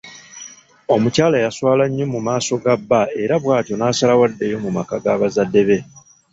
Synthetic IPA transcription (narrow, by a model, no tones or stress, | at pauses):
o̞mucaːlajaswaːlaɲːomumaːso̞ɡabːae̞ɾaβwaːtjo̞naːsalawadːe̞jo̞mumakaɡaːβazadːe̞βe̞